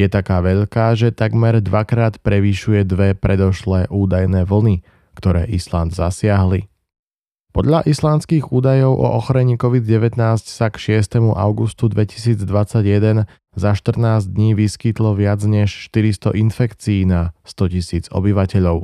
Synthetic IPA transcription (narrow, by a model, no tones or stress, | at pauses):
jɛt̪akaːʋɛʎkaːʒɛt̪aɡmɛɾd̪ʋakɾaːt̪pɾɛʋiʃujɛd̪ʋɛpɾʔɛd̪ɔʃlɛːʔuːd̪ajnɛːʋl̩ni | kt̪ɔɾɛːʔisland̪zasɪaɦli | pɔd̪ʎaʔislanskiɣuːd̪ajɔʊʔɔ̰ʔɔxɔɾɛɲiːkɔʋid̪ɟɛʋɛt̪naːscsakʃɪɛst̪ɛmuʔa̰ʊɡust̪ud̪ʋɛci̥siːd͡zd̪ʋat͡saɟjɛd̪ɛn | zaʃt̪r̩naːzd̪ɲiːʋiskit̪lɔʋɪad͡zɲɛʃʃt̪iɾist̪ɔ̰ʔinfɛkt͡siːnast̪ɔcisiːd͡zɔ̰biʋacɛʎɔʊ